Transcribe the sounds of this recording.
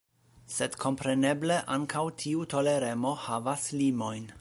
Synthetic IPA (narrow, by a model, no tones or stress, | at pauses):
sedkʰo̞mpɾenebleʔaŋkʰawtʰiuto̞leɾemo̞havaslimo̞jn